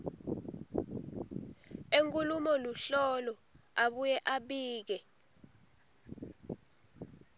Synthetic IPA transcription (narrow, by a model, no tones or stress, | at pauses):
eŋkʼulumɔluɬɔlɔaɓujɛʔaɓiːk̬ɛ